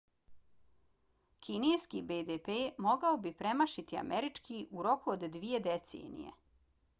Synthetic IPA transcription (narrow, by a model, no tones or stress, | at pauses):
kʰineːskibed̪epemo̞ɡaobipɾe̞maʃit̪ia̰mʔeɾit͡ʂkiʔuɾo̞kuod̪ːʋije̞d̪et̪sḛːnḭje̞̰